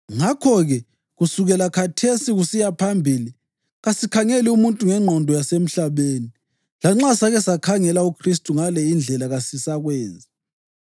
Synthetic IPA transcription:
ŋakʰɔɣɛ | ɣusuɣɛlakʰatʰesiɣusijapʰambʱili | ɣasikʰaŋeliumuntʼuŋɛŋ͡ǃʱɔndʱɔjasem̩ɬaβeːni | laŋ͡ǁasaɣɛsakʰaŋɛlaukʰristʼuŋalɛind͡ɮʱɛlaɣasisaɣwɛːnd͡zʱi

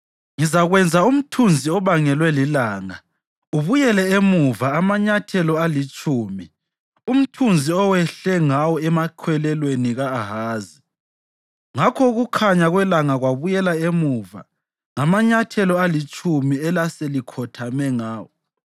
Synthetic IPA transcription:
ŋizaɣwɛnd͡zʱaum̩tʰund͡zʱiɔβaŋɛlwɛlilaːŋa̰ | uβujɛlɛemuvaamaɲatʰɛlɔalit͡ʃʼuːmi | um̩tʰund͡zʱiɔwɛɬɛŋawɔɛmakʰwɛlɛlweniɣaːɦaːzi | ŋakʰɔɣukʰaɲaɣwɛlaŋaɣwaβujɛlaemuva̰ | ŋamaɲatʰɛlɔalit͡ʃʼumiɛlaselikʰɔtʰamɛŋaːwɔ

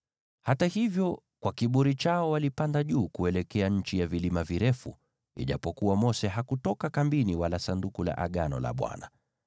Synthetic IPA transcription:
hatahivjɔ | kwakiɓuɾit͡ʃaɔwalipandaʄuːkuɛlɛkɛaɲ̩t͡ʃijavilimaviɾɛfṵ | ḭʄa̰pɔkuwamɔsɛɦakutɔkakambiniwalasandukula̰ʔaɠanɔ̰la̰ɓwa̰na

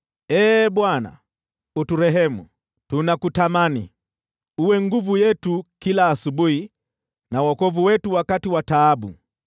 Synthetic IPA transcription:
ɛːɓwana̰ | utuɾɛɦɛmṵ | tunakutamani | uwɛŋɡuvujɛtukilaːsuɓuhi | nawɔkɔvuwɛtuwakatiwataːɓṵ

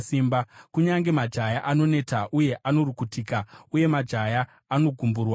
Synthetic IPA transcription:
simbakuɲaŋɡe̞mad͡ʒʱajaʔano̞ne̞taʔuje̞ʔano̞rukutiːkauje̞mad͡ʒʱajaː | no̞ɡʱumburwa

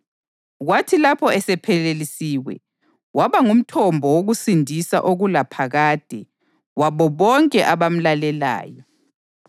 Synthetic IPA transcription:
ɣwatʰilapʰɔɛsɛpʰɛlelisiːwɛ̰ | waβaŋum̩tʰɔmbʱɔwoɣusindʱisa̰ʔoɣulapʰaɣaːd̥ʱɛ | waβɔβɔŋkʼɛʔaβam̩lalɛla̰ːjɔ

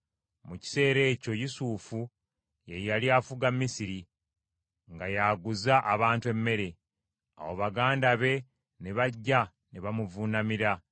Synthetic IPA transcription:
muci̥se̞ːɾe̞ːco̞jusuːfu | jejaliafuɡamːisiɾi | ŋɡajaːɡuzaʔaβaːntue̞mːe̞ɾe̞ | a̰woβaɡaːndaβe̞ | neβaɟːa | neβamuvunamiɾa

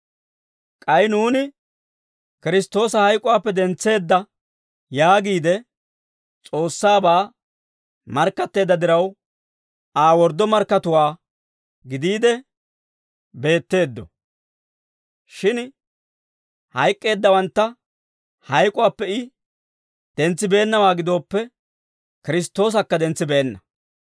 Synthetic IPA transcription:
kʼɐjnuːnɪ | kɪɾɪst̪ːo̞ːsɐhɐjkʼʊwaːpːɛd̪ɛnt͡sːe̞ːd̪ːɐ | jaːɡiːd̪ɛ | t͡sʼo̞ːsːaːbaː | mɐɾkːɐt̪ːe̞ːd̪ːɐd̪ɪɾɐw | aːwɔɾd̪ːɔmɐɾkːɐt̪ʊwaː | ɡɪd̪iːd̪ɛ | be̞ːt̪ːe̞ːd̪ːɔ̰ | ʃɪn | hɐjkʼːe̞ːd̪ːɐwɐnt̪ːɐ | hɐjkʼʊwaːpːɛɪ | d̪̥ɛnt͡sːɪbe̞ːnːɐwaːɡɪd̪o̞ːpːɛ | kɪɾɪs̬t̪ːo̞ːs̬ɐkːɐd̪ɛnt͡sːɪbɛːnːɐ

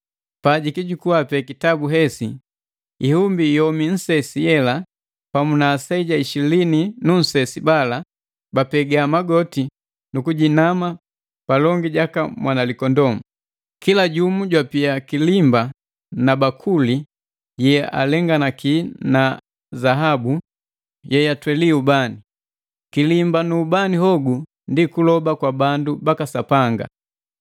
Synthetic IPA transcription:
paɟikiɟukuapɛkitabuɦɛsi | ihumbijɔmin̩sɛsijɛla | pamunaːsaiɟaiʃilininun̩sɛsibala | bapɛɡaamaɡɔti | nukuɟinama | palɔŋɡiɟakamwʔanalikɔndɔmu | kilaɟumuɟwapiakilimba | nabakʰuli | jɛɛʔa̰lɛŋɡanakiːna | zaɦabu | jɛjatwɛliubani | kilimbanuːbaniɦɔɡu | ndikulɔbakwabandubakasapaŋɡa̰

